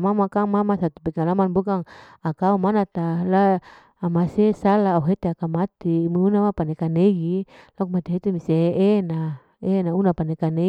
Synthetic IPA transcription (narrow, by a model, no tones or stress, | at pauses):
mamakaŋmamasat̪upekalamanbukaŋ | akaumanat̪alaː | masesalauɦet̪eakamat̪imiunamapanekaneɡilakumat̪iɦet̪emiseʔena | enaunapanekane